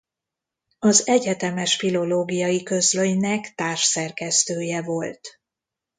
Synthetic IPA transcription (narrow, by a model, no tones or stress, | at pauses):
ɒzɛɟɛt̪ɛmɛʃfilo̞loːɡijɒjikø̞zløjnɛkt̪aːrʃsɛrkɛst̪øːjɛvo̞lt̪